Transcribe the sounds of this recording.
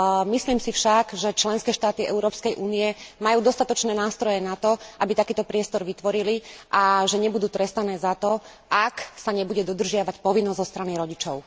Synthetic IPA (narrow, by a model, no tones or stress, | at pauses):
misliːmsifʃaɡʒɛt͡ʃlɛnskɛːʃt̪aːt̪iɛ̰uɾɔːpskɛjʔuːniɛmajuːd̪ɔst̪at̪ɔt͡ʃnɛːnaːst̪ɾɔjɛnat̪ɔʔabit̪akiːt̪ɔpɾɪɛst̪ɔɾʋit̪ʋɔɾiliʔaʒɛɲɛbud̪uːt̪ɾɛst̪anɛːzat̪ɔ | ʔaksaɲɛbuɟɛd̪ɔd̪r̩ʒɪaʋacpɔʋinːɔzzɔst̪ɾaniɾɔɟit͡ʃɔʊ